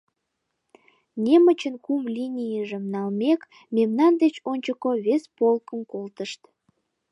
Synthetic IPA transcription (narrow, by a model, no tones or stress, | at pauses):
nʲemət͡ɕənkumlʲinʲijəʒemnɑlmek | memnɑnd̪et͡ɕonʲt͡ɕəkoβespolkəmkolt̪əʃt̪